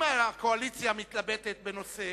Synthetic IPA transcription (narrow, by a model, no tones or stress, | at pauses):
aakoalit͡sjamitt̪labet̪et̪̚beno̞se